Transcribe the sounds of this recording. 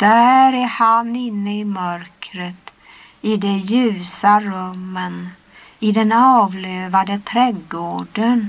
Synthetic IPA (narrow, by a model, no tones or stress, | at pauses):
d̪̥æɾæhanɪnːəɪmœɾkɾət̪ | ɪd̪ɛjʉ̟ːsaɾɵmːən | ɪd̪ɛnɑːvløːvad̪ət̪ʰɾɛɡːoːɖən